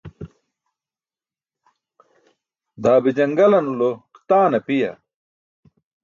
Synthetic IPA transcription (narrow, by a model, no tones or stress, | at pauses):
d̪aːbid͡ʑɐŋɡɐlɐnuloqt̪aːnɐpijɐ̰